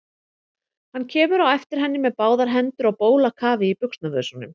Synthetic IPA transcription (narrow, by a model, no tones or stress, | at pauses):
hanːcʰɛːmʏɾawɛft̪ɪɾ̥ɦɛnːɪmɛðpaːwðaɾɦɛnt̪ʏɾawpoːwlakʰaːvɪipʏkst̪navœðsɔnʏ̰m